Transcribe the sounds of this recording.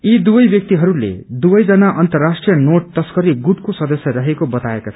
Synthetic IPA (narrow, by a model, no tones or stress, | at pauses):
id̪ubʌjbjʌk̚t̪iɦʌɾulḛd̪ubʌjd͡zʌnaʔʌnt̪ʌrːasʈrijʌnoʈ̚t̪ʌskʌɾiɡuʈkosʌd̪ʌsjʌɾʌɦekobʌt̪aekat͡sʰʌʌ